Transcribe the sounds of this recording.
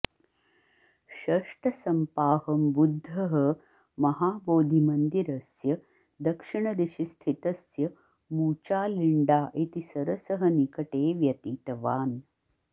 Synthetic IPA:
ʃɐʂʈɐsɐmpaːhɐmbud̪ʱːɐɦɐ | mɐɦaːboːd̪ʱimɐnd̪iɾɐsjɐ | d̪ɐkʂiɳɐd̪eʃist̪ʰit̪ɐsjɐ | muːt͡ʃaːliɳɖaːʔit̪isɐɾɐsɐɦɐnikɐʈeːʋjɐt̪iːt̪ɐʋaːn

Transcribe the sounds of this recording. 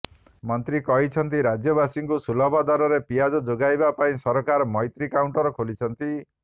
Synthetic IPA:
mɔnt̪ɾikɔɦit͡ʃʰɔnt̪iɾad͡ʒjɔbasiŋkusulɔbʱad̪aɾɔɾepijad͡ʒɔd͡ʒoɡajbapaĩsɔɾɔkaɾɔmɔjt̪ɾikawɳʈɔɾɔkʰolit͡ʃʰɔnt̪i

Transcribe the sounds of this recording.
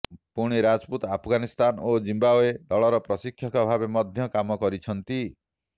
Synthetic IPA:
puɽ̃iɾad͡ʒput̪apʰɔɡanist̪anod͡ʒimbaoed̪ɔɭɔɾɔpɾɔsikʰːjɔkɔbʱabemɔd̪ʱjɔkamɔkɔɾit͡ʃʰɔnt̪i

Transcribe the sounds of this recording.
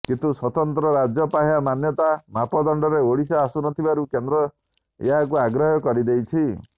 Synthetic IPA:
kint̪uswɔt̪ɔnt̪ɾɔɾad͡ʒjɔpaɦjamanjɔt̪amapɔd̪ɔɳɖɔɾeoɽisaːsunɔt̪ʰibaɾukend̪ɾɔ | eɦakuaɡɾɔɦɔkɔɾid̪ejt͡ʃʰi

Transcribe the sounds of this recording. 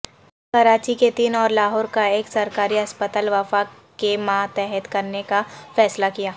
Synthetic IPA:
kɐɾaːt͡ʃiket̪iːnɔːɾlaːɦɔːɾkaeːksɐɾkaːɾiɐspət̪aːlʋɐfa | kemãːt̪ɛɦɛt̪kɐɾnekafɛːslakijaː

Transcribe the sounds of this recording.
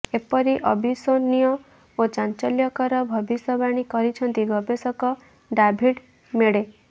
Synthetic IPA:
epɔɾiʔɔbʱisonijɔ | ot͡ʃant͡ʃɔljɔkɔɾɔbʱɔbisɔbaɽ̃ikɔɾit͡ʃʰɔnt̪iɡʱɔbesɔkɔ | ɖabʱiɽ | meɽe

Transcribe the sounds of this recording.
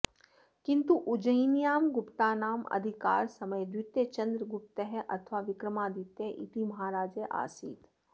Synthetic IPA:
kɪ̃nt̪uʔʊd͡ʒəjnijaːmɡʊpt̪aːnaːmɐ̰d̪ʱɪka̰ːɾsɐməjd̪wɪt̪ːet͡ʃɐ̃nd̪ɾəɡʊp̚t̪eɦɛʔɐt̪ʰʋaːʋɪkɾəmaːd̪ɪt̪eʔḭt̪imɐɦaːɾaːd͡ʒeʔa̰ːsḭːt̪

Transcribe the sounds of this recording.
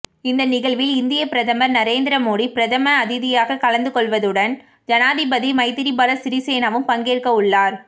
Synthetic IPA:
ɪnd̪ɐnɪɣɐɭʋɪlɪnd̪ɪjɐpɪɾɐðɐmɐɾnɐɾeːnd̪ɪɾɐmoːɽipɪɾɐðɐmɐːðɪðɪjaːɣɐkɐlɐnd̪ɯkɔɭʋɐðɯɽɐn | d͡ʒɐnaːðɪbɐðimɐɪt̪ɪɾibɐːlɐsɪɾiseːnɐʋɯmpɐŋɡeːrkɐʊɭːaːɾ

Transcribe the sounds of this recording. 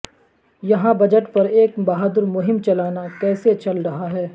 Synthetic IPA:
jɐɦãbɐd͡ʒəʈpɐɾeːkbɐɦaːd̪ʊɾmʊɦɪmt͡ʃɐlaːnakɛːset͡ʃɐlɾɐɦaɦɛː

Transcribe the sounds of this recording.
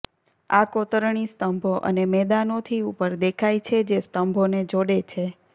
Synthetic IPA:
akot̪əɾɳ̃ist̪əmbʱoʔə̰nemɛd̪anot̪ʰiupəɾd̪ekʰajt͡ʃʰed͡ʒest̪əmbʱoned͡ʒoɽet͡ʃʰe

